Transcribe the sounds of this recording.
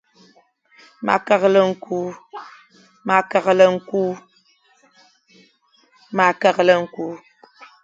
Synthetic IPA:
ma̰˨kə˨ɣlə˦ŋ̩˦ku˦ | ma˨kə˨ɣlə˦ŋ̩˨ku˦ | ma˨kə˨ɣlə˦ŋ̩˨ku˦

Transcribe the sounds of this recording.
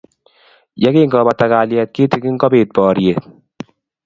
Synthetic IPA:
ja˦ke˦ŋɡɔ˨ba˨ta˨kaː˨ljɛ˨t̚kɪ˦tɪ˨˦kɪ˦ŋ̩˦ɡɔ˦beː˨t̚pɔː˨ɾje˨t̚

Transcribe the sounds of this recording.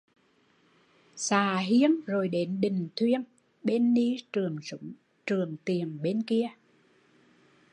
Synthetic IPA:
saː˨˩ɦi˧ənzo˨˩jɗe˨˦nɗï˨˩ŋ̟t̪ʰwi˧ən | ɓe˧nːi˧ɨ˨˩əŋzʊ˧˦ŋ͡m | t͡ɕɨ˨˩əŋt̪i˨˩əŋɓe˧nki˧ə

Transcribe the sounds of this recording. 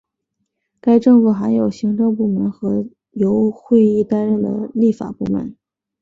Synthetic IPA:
ka˥ɪʈ͡ʂɤ˥˧ŋfu˥˩xa˧˥ɪjo˨˩ʊɕi˧˥ŋʈ͡ʂɤ˥˧ŋpu˥˩mə˧˥nxɤ˧˥ | jo˧˥ʊxwe˥˧ɪi˥˩t̪a˥nɻə˥˩nd̪ə̰˩li˥˩fa̰˨˩pu˥˩mə̰˨˩˦n

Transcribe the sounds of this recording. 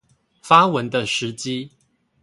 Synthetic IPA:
fa˦wə˨˦nd̪ə˧ʂɻ̩˨˦t͡ɕi˦

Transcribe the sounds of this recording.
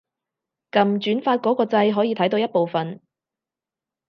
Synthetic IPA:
kɐ˨mt͡ʃyː˨˥nfaː˧t̚kɔː˨˥kɔː˧t͡sɐ˧jɦɔː˨˥jiː˨˧t̪ʰɐ˨˥jt̪o˧wjɐ˥t̚po˨wfɐ˨n

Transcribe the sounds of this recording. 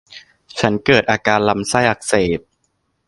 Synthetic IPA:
t͡ɕʰa˦˥nkɤː˨˩t̪̚ʔaː˧kaː˧nla˧msa˥˩jʔa˨˩k̚seː˨˩p̪̚

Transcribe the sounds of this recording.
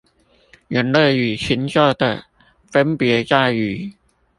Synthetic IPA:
ɥə˨˩nlə˥˩ɥyː˨˩t͡ɕʰi˨˥nt͡ɕɔ˥˩t̪ə˧˩ | fə˥npjɛ˨˧˥t͡ɕa˥˩y˨˩

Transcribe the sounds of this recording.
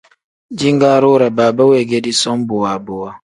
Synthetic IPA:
d͡ʒi˦ŋɡa˦ɾo˦ɾa˨baː˨ba˦we˨ɡe˦di˦sɔ˦m˦bo˨wa˨bo˨wa˦

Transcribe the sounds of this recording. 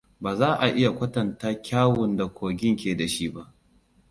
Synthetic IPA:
baː˨zaː˦ʔa˨ʔɪ˦ja˨kʷɐ˦tɐ˨ntaː˦kʲʰaː˦wʊ˨nda˨kʷʰoː˨ɡʲɪ˦ŋkʲeː˨da˨ʃi˦ba˦ʔ

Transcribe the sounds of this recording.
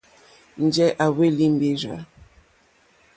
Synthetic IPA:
n˨d͡ʒɛ˦ʔa˨we˦li˦m˨bi˦ɾa̰˦

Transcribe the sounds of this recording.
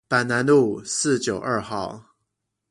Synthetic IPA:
pa˨˩nna˧˦nlu˥˩sɹ̩˥˩t͡ɕjo˨˩ʊʔə˥˧xɑ˥˩ʊ

